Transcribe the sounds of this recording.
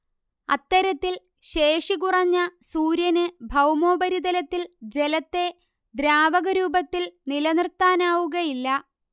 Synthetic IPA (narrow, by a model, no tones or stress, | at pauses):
ɐ̰t̪ːɐɾɐt̪ːil | ɕe̞ːʂikurɐɲːɐsuːɾjɐnɨbʱɐwmo̞ːbɐɾid̪ɐlɐt̪ːild͡ʑelɐt̪ːe̞ | d̪ɾaːʋɐɣɐɾuːbɐt̪ːilnilɐnrt̪aːnaːʋuɣɐjilːɐ